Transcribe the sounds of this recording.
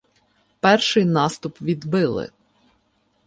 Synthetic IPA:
pɛrʃɪjnɑst̪ʊpʋʲid̪bɪlˠɪ̰

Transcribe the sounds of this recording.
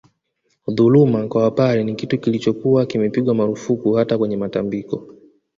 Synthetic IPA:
ðulumakwawapaɾɛnikitukilit͡ʃɔkuwakimɛpiɠwamaɾufukuhatakwɛɲɛmatambikɔ

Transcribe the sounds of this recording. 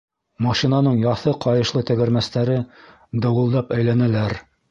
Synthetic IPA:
mɑʃinɑnɤɴjɑθɤqʰɑjɤ̆ʃlˠɤt̪ɘ̆ɡɘ̆ɾmæst̪æɾɘ | d̪ɤ̆wɤ̆lˠd̪ɑpæjlænælæɾ

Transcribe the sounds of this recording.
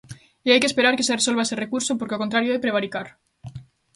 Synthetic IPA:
iajkespe̞ɾaɾke̞sereso̞lβaesere̞kuɾsopoɾkeokont̪ɾaɾjoepɾe̞β̞aɾikaɾ

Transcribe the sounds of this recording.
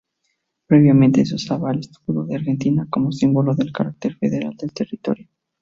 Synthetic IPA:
pɾe̞βjamẽ̞nt̪e̞s̬osaβalest̪u̥puðoðeaɾxe̞nt̪inako̞mo̞simbo̞loðe̞lkaɾak̚t̪e̞ɾfeðeɾa̰ld̪e̞lt̪e̞rit̪o̞̰ɾjo

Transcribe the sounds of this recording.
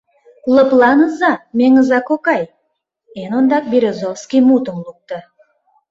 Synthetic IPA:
lˠəplˠɑnəzamʲeŋɨzɑkokaj | enond̪ɑq̚bʲiɾʲezofskʲijmut̪əmlˠuk̚t̪ə

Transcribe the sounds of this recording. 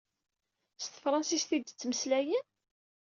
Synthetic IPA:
st̪əfɾˤɑnsist̪id̪t͡sːməslæjən

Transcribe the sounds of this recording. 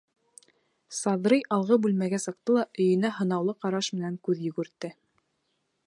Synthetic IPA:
sɑðɾɤjʔɑlˠʁɤbʉlmæɡæsɤ̆q̚t̪ɤlˠɑʔɵ̆jɘ̆næɦɤ̆nɑwlˠɤqɑɾɑʃmɘ̆næŋkʉðjɵ̆ɡɘ̆ɾt̪ːɘ

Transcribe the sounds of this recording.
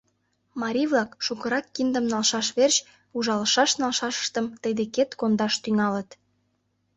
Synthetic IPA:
mɑɾʲiβlɑkʃukə̆ɾɑkːind̪ə̆mnɑlʃɑʃβerɕ | uʒɑlə̆ʃɑʃnɑlʃɑʃə̥̆ʃt̪ə̆mt̪əjd̪eket̪kond̪ɑʃt̪yŋɑlət̪

